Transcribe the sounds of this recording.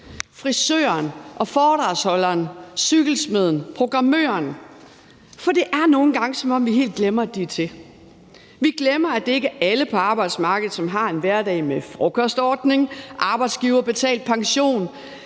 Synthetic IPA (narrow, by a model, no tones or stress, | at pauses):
fʁisø̰ːɐnʔɒ̽fɒːd̥ʁɑ̈ːshɒ̽lɐːnsyɡ̥l̩sme̝ðˠn̩pʰʁo̝ɡ̥ʁɑ̈mø̰ːɐn | fɒ̽d̥e̝ʔæɐno̝ːn̩ɡ̥ɑ̈ŋəsɒ̽mɒ̽m̰ʋiɦe̝̰ːld̥̚ɡ̥lemɐæd̥it͡sʰe̝ | ʋiɡ̥lemɐæd̥e̝e̝ɡ̥əæləpʰɒ̽ɑ̈ːb̥ɑ̈ɪd̥smɑ̈ːɡ̥əð̩ˠsɒ̽mɦɑ̈e̝nʋæɐd̥ɛ̰ɪmefʁɔkʰɒsd̥ɒːd̥ne̝ŋʔɑ̈ːb̥ɑ̈ɪd̥sɡ̥iːʊɐb̥e̝t͡sʰɛ̰ːld̥̚pʰɑ̈ŋɕo̝̰ːn